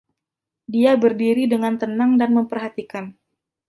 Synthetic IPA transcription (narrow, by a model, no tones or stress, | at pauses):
diabərdiɾidəŋant̪ənaŋdanməmpərɦat̪ikan